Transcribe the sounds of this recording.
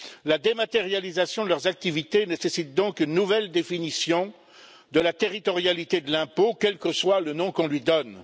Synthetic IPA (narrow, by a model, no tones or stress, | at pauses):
lad̪emat̪eʁjalizasjɔ̃d̪əlœʁzak̚t̪ivit̪enesesit̪̚d̪ɔ̃kynːuvɛld̪efinisjɔ̃ | d̪əlat̪eʁit̪ɔʁjalit̪ed̪əlɛ̃pokʲɛlkəswalənɔ̃kɔ̃lɥid̪ɔn